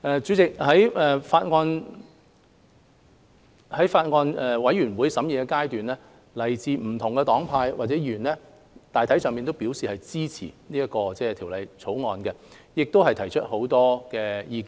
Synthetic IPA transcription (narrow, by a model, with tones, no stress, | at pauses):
ɛː˨t͡ʃyː˨˥t͡sɪ˨k̚hɐ˨˥jɛː˨faː˧t̚ŋɔː˧n | hɐ˨˥jfaː˧t̚ŋɔː˧nɛ˨˧wɐ˨˥jyː˨˩nwuː˨˥jsɐ˨˥mjiː˨kɛ˧kaː˥jt̪yː˨nlɛː˥ | lɐ˨˩jt͡siː˨˧m̩˨˩t̪ʰʊ˨˩ŋkɛ˧t̪ɔː˨˥ŋpʰaː˧jwaː˨t̚t͡sɛː˨˥jyː˨˩nlɛː˥ | t̪aː˨˩jt̪ʰjsœː˨ŋmpiː˨nt̪o˥wpiː˨˥wsiː˨hɐ˨jt͡siː˥t͡sʰḭ˨˩niː˥jɐ˥t̚kːɔː˧t͡sɛː˥˩t̪ʰiː˨˩wlɐ˨˧jt͡sʰo˨˥wŋɔː˨˧nkɛ˧jɪ˨k̚t̪o˥whɐ˨jt̪ʰɐ˨˩jt͡ʃʰɵ˥t̚ho˨˥wt̪ɔː˥kɛː˧jiː˧ki˧˥